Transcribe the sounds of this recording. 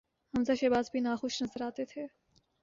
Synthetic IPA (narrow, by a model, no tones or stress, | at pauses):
hɐmzaʃeːbaːzbʱiːnaːxʊʃnɐzəɾaːt̪et̪ʰeː